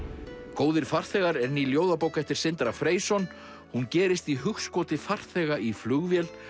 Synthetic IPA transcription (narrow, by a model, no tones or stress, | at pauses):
koːwðɪɾ̥far̥θɛːɣaɾɛɾniljoːwðapoːwkɛft̪ɪɾ̥sɪnt̪ɾafɾeːjsɔn | huncɛːɾɪst̪iɦʏxskɔːt̪ɪfar̥θɛːɣaʔiflʏɣvjɛl